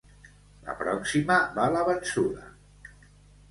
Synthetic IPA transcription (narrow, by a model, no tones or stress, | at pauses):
lə̰pɾɔksiməβaləβənsuðə